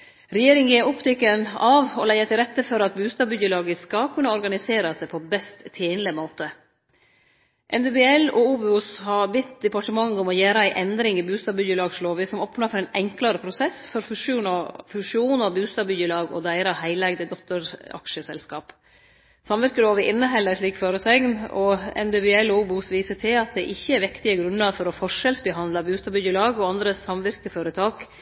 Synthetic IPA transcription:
ɾɛjeːɾɪŋjeːʔʊpt̪ʰɪkːənɑʋɔlæɪət̪ʰɪɾɛt̪ːəfɔɾɑt̪̚bʉːst̪ɑːbʏdəlɑːɡəskɑkʰʉnːɑɔɾɡɑnɪseːɾɑsæɪpʰɔbɛst̪ʰːeːnləmoːt̪ə | ʔɛnd̪ʉbɛɛlɔuːbʊshɑɾbɪt̪ːd̪ɛpɑʈəmɑŋːɔmɔjæːɾəæɪʔɛnd̪ɾɪŋɪbʉːst̪ɑːbʏdəlɑːɡsloːʋəsɔmɔpʰnɑfɔɾɛːnɛŋklɑɾəpʰɾʊsɛsfɔɾfʂːfʉʂɪuːnɔbʉːst̪ɑːbʏjəlɑːɡɔ̰d̪æɪɾəhæɪlɛɡd̪əd̪ɔkt̪ːəɾɑ̰kʂəsɛ̰lskɑːp | sɑmʋɪɾkəloːʋəʔɪnːəɦɛlːəʂɭiːkføːɾəsɛŋnɔɛ̰nbɛbɛɛloːbʊsʋiːsəʈʰɪlɑt̪̚d̪ɛʔɪçːəɛɾʋɪkt̪ɪəɡɾʉnːəɾfɔɾɔfɔʂɛlsbəɦɑnlɑbʉːst̪ɑːbʏjəlɑːɡɔɑnd̪ɾəsɑmʋɪɾkəføːɾət̪ʰɑːk

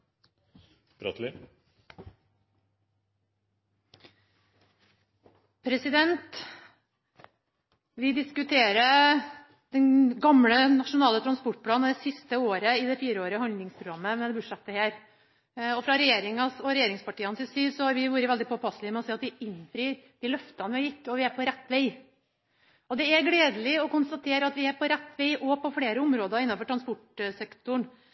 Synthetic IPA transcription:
bɾɔ̰t̪lɪ | pʰɾɛsɪd̪ɛnt̪ | ʋɪd̪ɪskʉt̪ʰeːɾə | d̪̥ɛnɡɑmɽənɑʂʊnɑːlət̪ʰɾɑnspɔʈ̚pʰlɑːn̩d̪ɛsɪst̪əoːɾəɪd̪ɛfiːɾəoːɾəhɑnd̪lɪŋspʰɾʊɡɾɑmːəmɛd̪ɛbʊʈʂɛt̪ːəheːɾ | ɔfɾɑɾɛjeːɾɪŋɑsɔɾɛjeːɾɪŋspɑʈiːənsɪsiːsɔhɑɾʋɪʋuːɾəʋɛld̪ɪpʰɔpʰɑslɪmɛɔseːɑt̪̚d̪ɪɪnːfɾiːɾd̪̥ɪlœft̪ɑnəʋɪɪt̪ːəɔʋɪæɾpɔɾɛt̪ːʋeɪ | ɔd̪ɛæɾɡleːd̪əlɪɔkʊnst̪ɑt̪ʰeːɾəɑt̪ʋɪæɾpʰɔɾɛt̪ːʋeɪʔɔpɔfɽeːɾəʊmɾoːd̪əɪnːɑnfɔʈʰɾɑnspʊʈsɛkt̪ʊɳ

